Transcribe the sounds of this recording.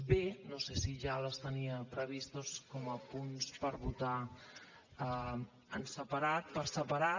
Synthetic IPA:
benosesiʒaləst̪əniəpɾəβ̞ist̪oskɔməpunspəɾβut̪a | ə | ənsəpəɾat̪̚pəɾsəpəɾa

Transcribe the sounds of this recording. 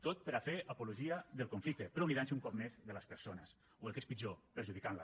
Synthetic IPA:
t̪ot̪̚pəɾafeʔəpuluʒiəðelˠkuɱflik̚t̪epɾɔliðanseuŋkɔp̚mezðələspəɾsonəs | oelkespid͡ʒopəɾʒuðikanlə̰

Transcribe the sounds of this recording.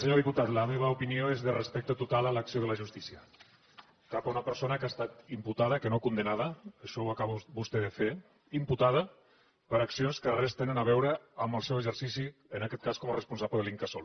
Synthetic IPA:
səɲoðiput̪at̪ləmeβ̞əupinioezðərəspɛk̚t̪ət̪ut̪alələksioðələʒust̪isiə | kapaunəpəɾsonəkast̪at̪imput̪að̞əkənokund̪ənaðəəʃɔwakaβbust̪ɛðəfe | imput̪aðə | pəɾaksionskərɛst̪enənaβ̞ɛwɾəːməlˠsɛwəzəɾsisiənakɛt̪kaskɔmərəspunsapləðəliŋkasol

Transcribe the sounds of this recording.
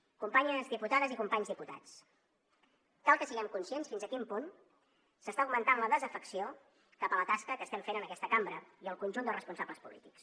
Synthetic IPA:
kumpaɲəzðiput̪aðəzikumpaɲzðiput̪a̰t͡s | k̪alˠkəsiɣɛmkunsiensfinzəkimpun | səst̪auwmənt̪anləðəzəfəksio | kapələt̪askəkəst̪ɛmfenənəkɛst̪əkambɾəiəlˠkunʲʒund̪ərəspunsabləspṵlḭt̪iks

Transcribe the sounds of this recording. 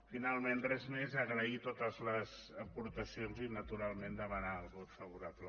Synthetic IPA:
finalˠmenrɛzmezəɣɾəit̪ot̪əzləz | əpuɾt̪əsionzinət̪uɾalˠmend̪əβənaːlˠɣot̪fəβ̞uɾablə

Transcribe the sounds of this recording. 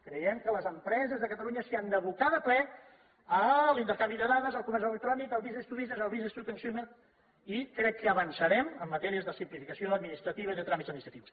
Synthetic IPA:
kɾəjɛmkələzəmpɾɛzəzðəkət̪əluɲəsiand̪əβuk̪aðəplɛ | əlint̪əɾkambiðəðaðəzəlˠkumɛɾzələk̚t̪ɾɔnikəlˠβizest̪uβizəzəlˠβizəst̪ut̪ənsjonə | ikɾɛkːəːβənsəɾɛməmːət̪ɛɾiəzðəsimplifikəsioəd̪minist̪ɾət̪iβəiðət̪ɾamit̪zəd̪mist̪ɾət̪iws

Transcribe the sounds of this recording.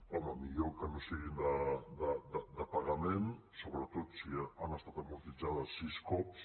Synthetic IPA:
ɔməmiʎokənosiɣind̪əd̪əd̪əd̪əpaɣəmensoβɾət̪ot̪sianəst̪at̪əmuɾt̪id͡ʒaðəsːiskɔps

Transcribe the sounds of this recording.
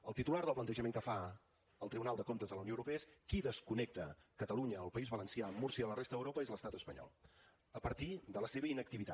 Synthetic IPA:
əlˠt̪it̪ulaɾðəlˠplənt̪əʒəmeŋkəfa | əlˠt̪ɾiβunalˠd̪əkomt̪əzðələwnowɾupeəskiðəskunɛk̚t̪əkət̪əluɲəːlˠpəizβələnsiamuɾsiəələrest̪əðəwɾopəezləst̪at̪əspəɲɔ̰lˠ | əpəɾt̪id̪ələseβ̞əinək̚t̪iβit̪a

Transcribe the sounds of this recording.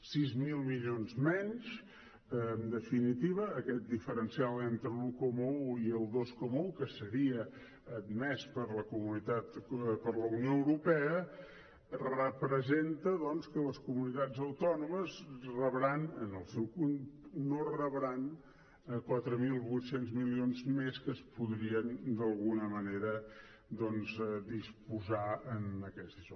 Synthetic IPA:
sizmilˠmiʎonzmɛɲʃ | əːnd̪əfinit̪iβəːkɛt̪̚d̪ifəɾənsialˠent̪ɾəlukomwiəlˠd̪oskomuwkəsəɾiəː | d̪mɛspəɾləkumunit̪at̪pəɾləunioəwɾupɛə | rəpɾəzent̪əðɔnskələskumunit̪ad͡zəwt̪ɔnuməzrəβɾanənəlˠsɛwkunnorəβɾan | əkwat̪ɾəmilˠβujt̪senzmilionzmeskəspuðɾiənd̪əlˠɣunəməneɾə | d̪ɔnzɛd̪ispuzaənəkɛzd̪iʒɔ

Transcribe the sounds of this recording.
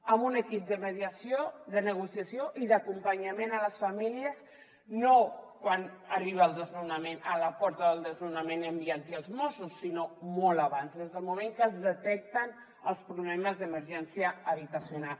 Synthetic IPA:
əmbunəkip̚d̪əməðiəsijoðənəɣusiəsioʔiðəkumpəɲəmenələsfəmiliəz | nokwanəriβ̞əːlˠd̪əzlunəmenələpɔɾt̪əðəlˠd̪əzlunəmenəmbiənt̪iəlˠzmɔsusːinomɔləβanzðezðəlˠmumẽŋkəzðət̪ɛk̚t̪ən | əlˠspɾuβlɛməzðəməɾʒɛnsiəːβit̪əsjunal

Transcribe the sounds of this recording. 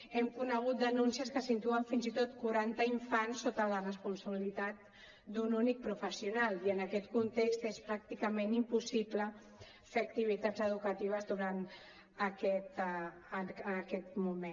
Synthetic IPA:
ɛmkunəɣ̞ut̪̚d̪ənunsiəskəsint̪uəɱfinzit̪ot̪̚kuɾant̪əiɱfansːot̪ələrəspunsəβilit̪at̪̚ | d̪ununik̚pɾufəsiunaliənəkɛt̪kunt̪ekst̪espɾak̚t̪ikəmenimpusiplə | feɐk̚t̪iβ̞it̪ad͡zəð̞ukət̪iβ̞əzðuɾan | əkɛt̪ː | kɛt̪̚mume

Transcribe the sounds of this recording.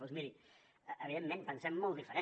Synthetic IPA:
ozmiɾi | əʔəβiðemːẽnpənsɛmːɔlˠt̪ifəɾe

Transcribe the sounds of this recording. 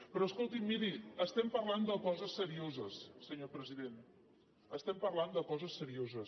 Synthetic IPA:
pɾɔəskolˠt̪imiɾiəst̪ɛmpəɾland̪əkɔzəsːəɾiozəsːəɲopɾəziðen | əst̪ɛmpəɾland̪əkɔzəsːəɾiozəs

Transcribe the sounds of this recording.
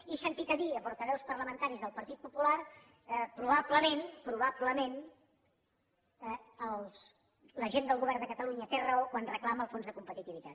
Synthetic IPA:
isənt̪ik̪əβiəpuɾt̪əβɛwspərləmənt̪aɾizðəlˠpəɾt̪it̪̚pupular | əpɾuβabləmenpɾuβabləmen | əlˠs | ləʒend̪əlˠɣuβɛɾrnd̪əkət̪əluɲət̪erəokwanrəklaməːlˠfonzðəkumpət̪it̪iβit̪at̪̚

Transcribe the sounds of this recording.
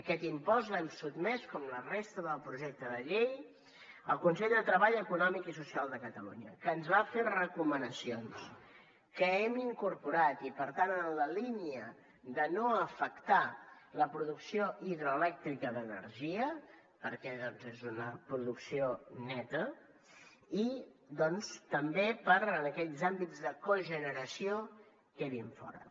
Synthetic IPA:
əkɛt̪impɔzlɛmsud̪mɛskɔmlərest̪əðəlˠpɾuʒɛk̚t̪əðəʎej | əlˠkunsɛʎd̪ət̪ɾəβaʎəkunɔmikisusialˠd̪əkət̪əlṵɲəkəːnzβafet̪rəkumənəsions | kəɛmiŋkuɾpuɾat̪ipəɾt̪anənləliniə | d̪ənoəfəkt̪aləpɾuðuksioʔiðɾoəlɛk̚t̪ɾikəðənə̰ɾʒiə | pəɾkɛðɔnzezunəpɾuðuksionɛt̪ə | id̪ɔnst̪əmbepəɾənəkɛʎzambid͡zðəkoʒənəɾəsio | kɛβiɱfɔ̰ɾə̰

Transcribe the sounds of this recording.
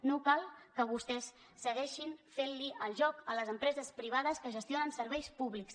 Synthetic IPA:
nokalˠkəβust̪ɛsː | əɣɛʃinfenliəlˠʒɔkələzəmpɾɛzəspɾiβ̞aðəskəʒəst̪ionənsəɾβ̞ɛjspuβliks

